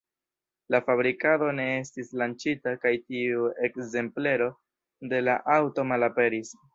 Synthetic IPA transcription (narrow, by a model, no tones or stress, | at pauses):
lafaβɾikado̞ne̞estislant͡ʃitakajtiue̞kze̞mple̞ɾo̞ | de̞laʔawto̞malape̞ɾis